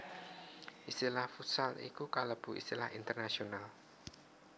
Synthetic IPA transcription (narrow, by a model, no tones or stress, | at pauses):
ʔist̪ilahfusalḭkukaləb̥ṳḭst̪ilahint̪ərnasional